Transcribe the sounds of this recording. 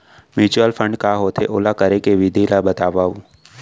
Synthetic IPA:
mjuːt͡ʃuəlfʰə̃ɳɖ̚kaɦoːt̪ʰeʔoːlakəɾekeʋɪd̪ʱilabət̪aːʋaːũ

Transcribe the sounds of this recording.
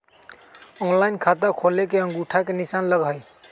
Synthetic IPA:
ɔnlajnkʰat̪akʰolekeə̃ŋɡuʈʰakenisanləɡʱəj

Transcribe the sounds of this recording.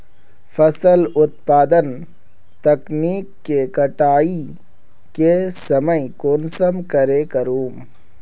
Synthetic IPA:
fʰɐsəlʊt̪̚paːd̪ən | t̪ɐkniːkːekɐʈaːi | kesɐməjkoːnsəmkɐɾekəɾuːm

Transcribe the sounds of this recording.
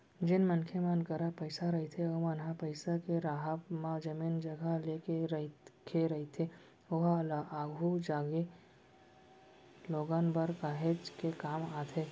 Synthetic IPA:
d͡ʒɪnmɐnkʰemãnkəɾapəɪsaɾɐɦet̪ʰeomanɦapəɪsakeɾaːɦəpmãd͡ʒɐmiːnd͡ʒɐɡʱəleːkeɾkʰeɾɐɦit̪ʰe | oɦaːɡʱud͡ʒaːɡe | loːɡaːnbəɾkaːɦed͡ʒkekaːmaːt̪ʰeː

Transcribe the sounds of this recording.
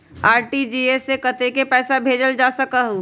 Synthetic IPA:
aːɾʈid͡ʒiːesekət̪ekepɛːsabʱeːd͡ʒəld͡ʒaːsəkaɦu

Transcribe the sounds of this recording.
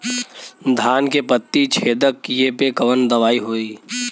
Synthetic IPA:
d̪ʱaːnkepət̪ːit͡ʃʰeːd̪əkjepekɐʋənd̪ɐʋaːiɦoːiː

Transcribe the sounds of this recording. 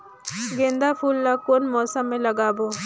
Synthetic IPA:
ɡẽːnd̪apʰuːlːakoːnmɔːsəmːẽlɐɡaːboː

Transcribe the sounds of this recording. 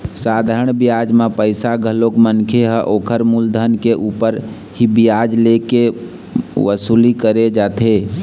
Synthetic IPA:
saːd̪ʱaːɾəɳ̃bɪjaːd͡ʒmãpəɪsaɡʱəlokmənkʰeɦəʔoːkʰəɾmuld̪ʱənkeʔuːpəɾ | ɦibɪjaːd͡ʒleke | ʋəsuːlikəɾed͡ʒaːt̪ʰe

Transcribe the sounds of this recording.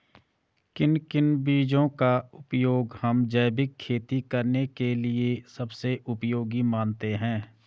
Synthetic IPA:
kɪnkɪnbiːd͡ʒõkaʊpjoːɡhɐmd͡ʒəːbɪkʰːeːt̪ikɐɾnekeliesɐbseʔʊpjoːɡimãːnt̪eɦɛ̃ː

